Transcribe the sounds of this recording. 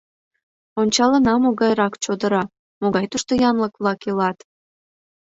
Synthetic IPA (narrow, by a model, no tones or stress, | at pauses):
onʲt͡ɕɑlə̆nɑmoɣɑjɾɑkt͡ɕod̪əɾɑ | moɣɑjt̪uʃt̪ojɑnləkβlˠɑkilɑt̪